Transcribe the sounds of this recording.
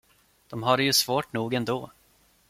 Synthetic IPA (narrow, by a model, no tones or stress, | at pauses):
d̪̥ɔmɦaɾɛjɵsvoːʈnuːɡɛnd̪oː